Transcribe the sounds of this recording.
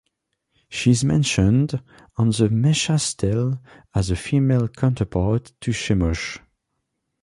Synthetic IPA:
ʃizmɛ̰̃nʃə̃nd̃ | n̩ðəmɛʃastʰɛl | əzəfimelˠkʰãntʰə˞pʰɑɹtʰːɨʃɛmɔʃ

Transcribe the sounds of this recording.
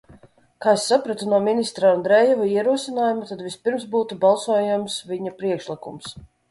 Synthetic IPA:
kaːsːapɾat̪unuɔminist̪ɾaand̪ɾɛjɛvaiɛɾuɔsinaːjumat̪ad̪vʲispiɾmsbuːt̪ubalˠsuɔjumsvʲiɲapɾiɛkʃlˠikums

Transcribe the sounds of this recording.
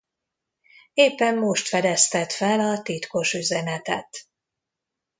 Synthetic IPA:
eːpːɛmːoʃt̪fɛd̪ɛst̪ɛt̪fɛlɒt̪it̪ko̞ʃyzɛnɛt̪ɛt̪

